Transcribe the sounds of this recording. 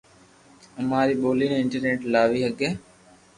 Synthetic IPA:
əmaːɾiːɓoːliːnẽːɪɳʈəɾeːʈlaːʋiːɦəɡeː

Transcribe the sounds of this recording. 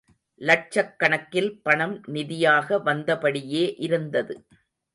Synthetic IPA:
lɐʈ̚t͡ʃɐkːɐɳɐkːɪlpɐɳɐmnɪðɪjaːɣɐʋɐnd̪ɐpɐɽɪjeːʔɪɾɯnd̪ɐðɯ

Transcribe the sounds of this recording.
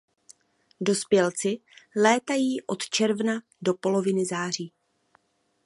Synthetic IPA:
do̞spjɛlt͡sɪlɛːt̪ajiːʔo̞t̪t͡ʃɛɾvna | do̞po̞lo̞vɪnɪzaːr̝iː

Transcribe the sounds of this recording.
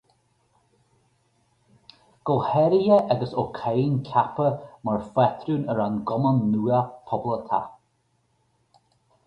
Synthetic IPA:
ɡ̥ɔlhɛɾijəʔaɡəsokʰejnkʰapəmaɹfɛt̪ʰɾunəɾanɡɔmənːuːəpʰɔblət̪ʰa̰

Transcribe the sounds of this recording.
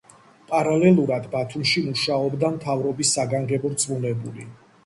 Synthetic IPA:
pʼaɾalɛlˠuɾad̪bat̪ʰumʃimuʃaɔbd̪amt̪ʰavɾɔbisːaɡaŋɡɛbɔɾt̪sʼmunɛbuli

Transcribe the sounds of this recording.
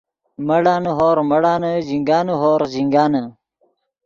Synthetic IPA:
mɐɽaːnuɦoːɾmɐɽaːnəziŋɡaːnuɦoːɾziŋɡaːnə

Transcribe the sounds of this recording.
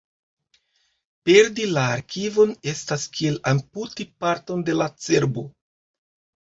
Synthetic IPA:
pe̞ɾdilaːɾkʰivo̞ne̞staskie̞lamputipaɾto̞nde̞lat͡seɾbo

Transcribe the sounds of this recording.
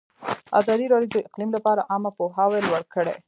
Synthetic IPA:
ɑ̰zɑd̪iɾɑɽjod̪əɪqlimlapɑɾaʔɑmapoɦɑwelwəɽkəɽḛ

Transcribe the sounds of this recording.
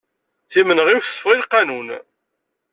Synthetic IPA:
θimənʁiwθəsəfʁilqːɑnun

